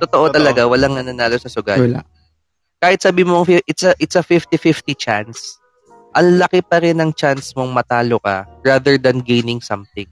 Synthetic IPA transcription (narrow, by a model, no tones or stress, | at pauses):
t̪ot̪oʔot̪ɐlɐɡawɐlaŋnɐnɐnaːlosɐsʊɡa̰ːl̰ | kaːhɪt̪̚sɐbiːmoɐŋfɪʔɪt̪sɐʔɪt̪sɐfɪft̪ɪfɪft̪it͡ʃans | ʔɐŋlɐkɪpɐɾɪnɐŋt͡ʃansmo̞ŋmɐt̪aːlokɐ̰ɹaðɛɹd̪ɐnɡejnɪŋsɐmθɪŋ